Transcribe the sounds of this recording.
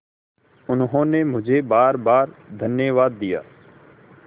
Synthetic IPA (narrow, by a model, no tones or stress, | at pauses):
ʊnɦõːnemʊd͡ʒʱebaːɾbaːɾd̪ʱənjəʋaːd̪ːɪja̰ː